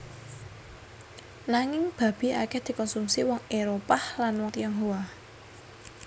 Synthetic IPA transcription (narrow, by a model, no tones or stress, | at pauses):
naŋɪŋb̥ä̤b̥i̤akɛhd̪̥i̤kɔnsumsiwɔŋeɾopahlanwɔŋt̪ijɔŋɦowa